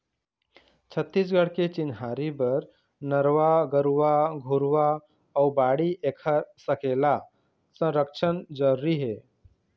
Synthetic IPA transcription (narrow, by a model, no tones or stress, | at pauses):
t͡ɕʰət̪ːiːs̬ɡəɽket͡ɕinɦaɾibəɾ | nəɾʋaɡəɾʋaɡʱuɾʋaː | wbaɽiʔekʰaɾsəkela | t͡sə̃ɾəkʂʰənd͡zəɾːiɦe